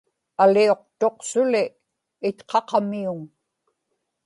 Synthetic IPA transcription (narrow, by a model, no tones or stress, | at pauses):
alio̞qt̪o̞qsʊlɪː | t̪qʰɑqɑmiʊŋ